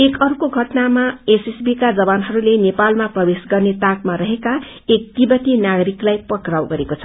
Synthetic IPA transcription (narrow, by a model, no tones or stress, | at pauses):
ekʌɾukoɡʱʌʈnamaesisbikad͡zʌbanɦʌɾulenepalmaprʌbesɡʌrnet̪akmaɾʌɦeka | ek̚t̪ibʌt̪inaɡʌɾiklajpʌkrawɡʌɾekot͡sʰʌ